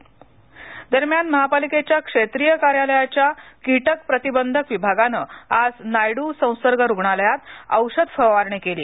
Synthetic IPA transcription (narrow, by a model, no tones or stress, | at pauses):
d̪əɾmjanməɦapaliket͡ɕjakʂet̪ɾijəkaɾjaləjat͡ɕjakiʈəkpɾət̪ibənd̪ʱəkʋibʱaɡanəad͡znajɽuːsə̃w̃səɾɡəɾuɡɳaljat̪ə̰wɕəd̪fəʋaɾɳikelḭː